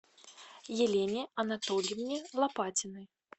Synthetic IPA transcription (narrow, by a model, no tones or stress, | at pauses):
jelʲenʲiɐnat̪ɔlʲimnʲilˠapatʲɪnɨ